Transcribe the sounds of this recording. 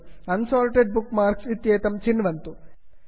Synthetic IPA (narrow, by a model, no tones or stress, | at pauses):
kɐnsoːlʈeɖ̚bukmaːɾksit̪jeːt̪ɐmt͡ʃinʋɐnt̪u